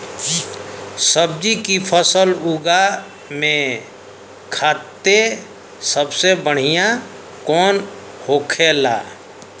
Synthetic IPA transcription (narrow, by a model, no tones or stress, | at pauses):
səb̚d͡ʒikipʰəsəluɡa | mẽ | kʰaːt̪ːe | səbsebəɽ̤ijã | kɔːn | hoːkʰela̰ː